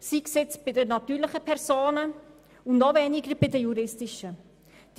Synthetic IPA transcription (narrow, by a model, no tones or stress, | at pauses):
siksɪt͡sb̥ɪdənɑtyːɾlɪχəpʰɛɾsoːnə | ʊnnɔvɛːnɪɡəɾb̥ɪdəjuɾɪstɪʃə | d̥